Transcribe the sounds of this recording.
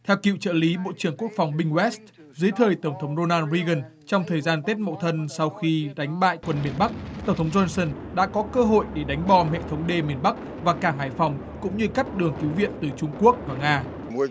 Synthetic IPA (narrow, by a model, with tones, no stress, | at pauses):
t̪ʰɛ˧wkḭ˧˨wt͡ɕə̰ː˧˨li˨˦ɓo̰˧˨t͡ɕɨ˧˩əŋku˦˥ək̚fa˨˩wŋ͡mɓï˧ŋwɛ˦˥st̚ | zɨ˨˦jt̪ʰəː˨˩jt̪ə˧˩wŋ͡mt̪ʰə˨˦wŋ͡mɗo˧naː˧nzi˧ɣə˨˩n | t͡ɕɔ˧wŋ͡mt̪ʰəː˨˩jzaː˧nt̪e˦˥t̚mə̰˧˨t̪ʰə˧nsa˧wxi˧ɗa˨˦jŋ̟ɓa̰ː˧˨jkwə˧nmi˨˩ənɓa˦˥k̚t̪ə˧˩wŋ͡mt̪ʰə˨˦wŋ͡mzɔ˧nsə˧˩n | ɗa̰ː˧˥kɔ˨˦kəː˧ɦo̰˧˨jɗe˧˩ɗa˨˦jŋ̟ɓɔ˧˩mhḛ˧˨t̪ʰə˨˦wŋ͡mɗe˧mi˨˩ənɓa˦˥k̚ | vaː˨˩kaː˧˩ŋɦaː˧˩jfa˨˩wŋ͡m | kʊ̰˧˥ŋ͡mɲɨ˧ka˦˥k̟̚ɗɨ˨˩əŋki˨˦wvḭ˧˨ənt̪ɨ˨˩t͡ɕʊ˧ŋ͡mku˦˥ək̚vaː˨˩ŋaː˧